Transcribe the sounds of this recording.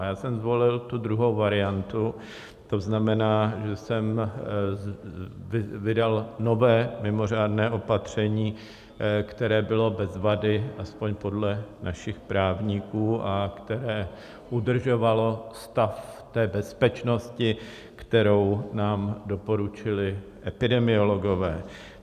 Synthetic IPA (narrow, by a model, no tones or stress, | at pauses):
jaːsɛmzvo̞lɪlt̪ud̪ɾuɦo̞wvaɾɪant̪u | t̪o̞znamɛnaːʒɛsɛm | vɪdalno̞vɛːmɪmo̞r̝aːdnɛːʔo̞pat̪r̝̥ɛɲiː | kt̪ɛɾɛːbɪlo̞bɛzvadɪʔaspo̞ɲpo̞dlɛnʔaʃɪxpɾaːvɲikuːʔakt̪ɛɾɛː | ʔudr̩ʒo̞valo̞st̪aft̪ɛːbɛspɛt͡ʃno̞scɪ | kt̪ɛɾo̞wnaːmdo̞po̞ɾut͡ʃɪlɪʔɛpɪdɛmɪo̞lo̞ɡo̞vɛː